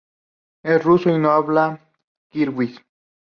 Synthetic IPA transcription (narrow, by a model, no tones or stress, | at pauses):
erusoinoaβla | kiɾwis